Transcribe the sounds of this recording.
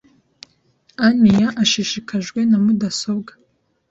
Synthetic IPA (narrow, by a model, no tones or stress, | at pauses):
anijaʔaʃiʃikʰaʒɡʷenamudasobɡḁ